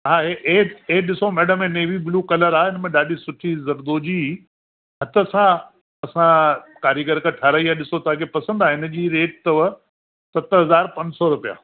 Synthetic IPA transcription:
ɦãːɦeʔeɗɪsomɛːɖəmẽːneːʋibluːkɐləɾaːɪnmẽɗaːɗisʊʈʰizɐɾd̪oːd͡ʑiː | ɦɐt̪ə̆sã | ɐsãkaːɾjəɡəɾkəʈʰɐɾəiaɗɪsot̪ɐãkʰepɐsə̃nd̪aːɦɪnə̆d͡ʑiːɾeːʈ̚t̪ɐʋə | sɐt̪ɦɐzaːɾpɐ̃ɲd͡ʑsɔɾʊpija̰ː

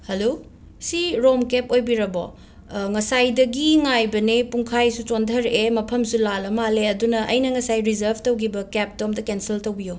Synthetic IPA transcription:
hɐlo | siɾomkepojbiɾɐbo̰ | ŋɐsajdɐɡiŋajbɐnipuŋkʰajsut͡ʃondʰɐɾʔemɐpʰɐmsulalɐmaleɐdunɐʔɐ̰jnɐŋɐsajɾizɐɾbʱtowkʰibɐkep̚tomdɐkensiltowbijo

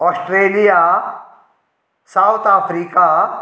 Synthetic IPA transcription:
ɔːsʈɾeːlija | sawt̪ʰaːfʰɾiːka

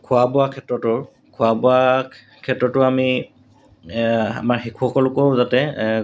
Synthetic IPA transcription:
kʰʊwabʊakʰɛtɹɔtʊɹ | kʰʊabʊa | kʰɛtɹɔtʊami | a̰maɹxikʰuxɔkɔlʊkɔɹzatɛ

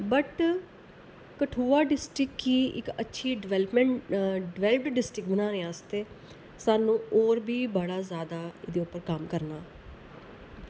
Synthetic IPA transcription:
bəʈ | kəʈʰuːaːɖɪsʈɾɪkːiːɪ̰kətːʃʰiːɖɪʋɛlpmɛɖɪʋɛːləpʈɖɪsʈɾɪk̚bənãːɾeːãːst̪eː | saːnũːoːɾbiːbəɽaːzjaːd̪aːɪd̪eːʊpːəɾkəmkəɾnaː

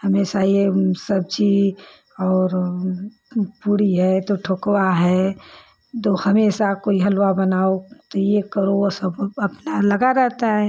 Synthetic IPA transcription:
həmeːʃajesəb̚d͡ʒi | ɔːɾ | puɽiɦɛt̪oʈʰoːkwaɦɛ | t̪ohəmeːʃakoːiɦəlwabənaːot̪ojekəɾosəbəpnaləɡaɾɛɦt̪aɦɛː

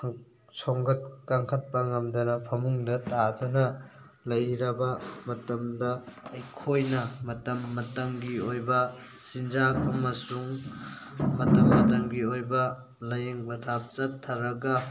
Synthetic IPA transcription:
soŋɡɐt̚kaŋkʰɐt̚pɐŋɐmdɐnɐpʰɐmuŋdɐtadɐnɐ | lɐjɾɐbɐmɐtɐmdɐːjkʰojnɐmɐtɐmːɐtɐŋɡiojbɐ | sind͡ʒak̚ɐmɐsuŋ | mɐtɐmːɐtɐŋɡiojbɐ | lɐjeŋbɐtʰap̚t͡ʃɐtʰːɐɾɐɡɐ

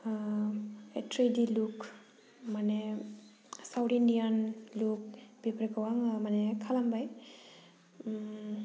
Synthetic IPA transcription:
etɾejdiluk | manɛ | sawʈindijanluk̚bipɾikawaŋmanɛkʰalambaj

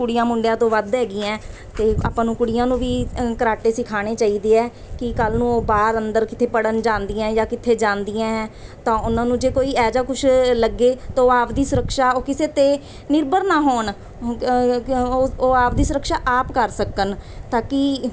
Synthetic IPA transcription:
kʊɽɪjãːmʊɳɖejãːt̪õːʋəd̪ɦɛːɡiːãː | t̪eːa̰ːpãːnũːkʊɽɪjãːnũːʋiːkəɾaːʈeːsɪkʰaːɽ̃eːt͡ʃaːiːd̪eːɛː | kɪkəlnũːoːbaːɾənd̪əɾkɪt̪ʰeːpəɽənd͡ʒãːnd̪ijãːjaːkɪt̪ʰːeːd͡ʒãːnd̪iãːɦɛ̃ːt̪ãːʊnãːnũːd͡ʒeːkoːiːɛːd͡ʒaːkʊʃʰləɡːeːt̪ãoːaːpd̪iːsʊɾəkʃaːoːkɪseːt̪eː | nɪɾbəɾnaːɦoːn | oːaːpd̪iːsʊɾəkʃaːʔaːpkəɾsəkənt̪aːkɪ

